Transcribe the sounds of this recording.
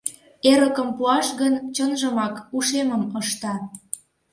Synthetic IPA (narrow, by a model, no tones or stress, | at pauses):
eɾəkəmpuɑʃɣənt͡ɕənʒəmɑkuʃeməməʃt̪ɑ